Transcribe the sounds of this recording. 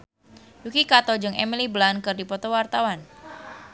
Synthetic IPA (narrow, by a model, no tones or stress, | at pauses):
jukikat̪ɔd͡ʒɨŋɛmiliblankɨrdipɔt̪ɔwart̪awan